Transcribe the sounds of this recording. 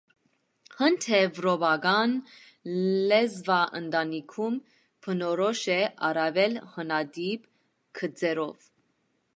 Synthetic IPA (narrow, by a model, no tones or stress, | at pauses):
hənt̪ʰɛvɾɔbɑɡɑn | lɛzvɑʔənd̪ɑnikʰum | pʰənɔɾɔʃɛɑɾɑvɛlhənɑd̪ib | kʰəd͡zɛɾɔv